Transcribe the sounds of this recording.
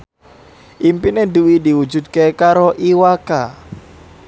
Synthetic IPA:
ʔimpinɛduwidiwu̥d͡ʒṳd̪̚kekaɾoʔiwaka

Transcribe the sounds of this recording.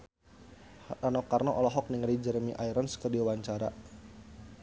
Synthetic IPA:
anɔkarnɔʔɔlɔɦɔk̚niŋɾid͡ʒəɾəmiʔaiɾənskərdiwaɲt͡ʃaɾa̰

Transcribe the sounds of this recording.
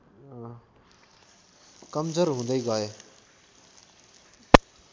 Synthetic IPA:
kəmzəɾɦũːnd̪əiːɡaːeː

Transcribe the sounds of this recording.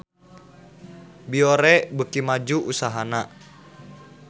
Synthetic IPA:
bioɾɛbəkimad͡ʒuʔusaɦana

